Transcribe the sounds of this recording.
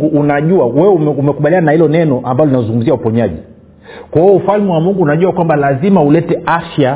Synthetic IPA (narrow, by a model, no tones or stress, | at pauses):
ɡuʔunaʄuawɛɛumɛumɛkuɓaliananahilɔnɛnɔʔambalɔlinazuŋɡum̩ziaupɔɲaʄi | kwaiɛufalmɛwamuŋɡuːnaʄuakwambalazimaulɛtɛafja